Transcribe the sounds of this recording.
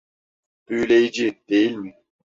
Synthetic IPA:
b̥øjlʲejid͡ʒid̪̥ejilʲmi

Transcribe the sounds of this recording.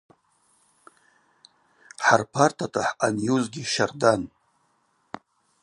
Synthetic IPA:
ħarpʰartʰatʰaħanjuzɡʲiʃardan

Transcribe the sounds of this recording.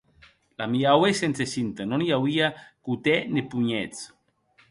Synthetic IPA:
lamiawesensesint̪anoniawiakut̪ɛnipuɲɛt͡s

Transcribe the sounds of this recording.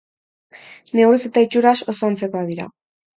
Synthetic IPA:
ne̞urise̞t̪ait͡ʃuɾaso̞so̞ant͡se̞koaðiɾa̰

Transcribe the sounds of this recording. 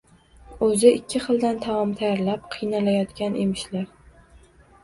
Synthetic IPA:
ɵzɪɪkʲʰːɪχɨlˠd̪ant̪ʰawɒmt̪ʰajaɾlap̚qʰɨjnalajɒt̪kʲanʔemɪʃlaɾ

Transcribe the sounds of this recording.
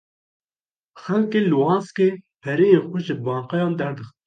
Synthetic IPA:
xɛlkeːluwɑ̃ːnskeːpʰɛɾejeːxʷʊʒɨbɑːŋqɛjɑːnd̪ɛɾd̪ɨxt̪

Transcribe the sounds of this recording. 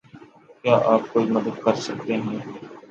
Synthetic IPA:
kjaːʔaːp̚koːimɐd̪əd̪kɐɾsɐk̚t̪eɦɛ̃ː

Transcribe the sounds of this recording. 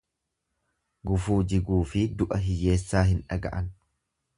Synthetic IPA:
ɡʊfuːd͡ʒɪɡuːfɪd̪ʊʔɐɦɪje̞ːsːaːɦɪnᶑɐɡɐ̰ʔɐn

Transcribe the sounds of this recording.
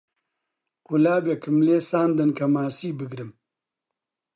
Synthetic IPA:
qulaːbekʰɨmleːsaːnd̪ɐnkʰɐmaːsiːbɨɡɾɨm

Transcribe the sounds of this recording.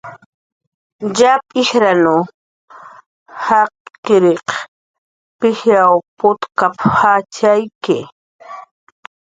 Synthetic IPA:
japʼɪhɾanʊ | haqkɪɾɪq | pɪxjawpʊt̪kaphat͡ʃajkɪ

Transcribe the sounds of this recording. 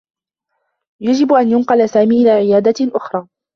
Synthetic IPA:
jad͡ʒɪbʔanjʊnqɑlasaːmiːʔɪlaːʕɪjaːd̪aʔʊxɾˤɑː

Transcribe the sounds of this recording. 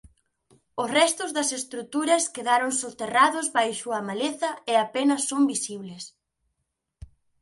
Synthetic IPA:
ʊsrɛst̪ʊzðɐsest̪ɾut̪uɾɐskeðaɾoŋsot̪eraðʊzβajʃʊamaleθɐeapenɐsːombisiβles

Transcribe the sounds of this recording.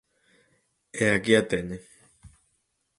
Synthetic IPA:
eakiat̪ene

